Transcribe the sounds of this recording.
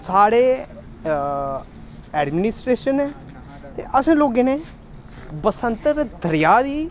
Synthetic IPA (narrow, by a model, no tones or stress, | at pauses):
saːɽeː | ɛːɖmɪnɪsʈɾeːʃəneː | t̪ḛːʔəsẽːloːɡeːneː | bəsənt̪əɾd̪əɾɪjaːd̪iː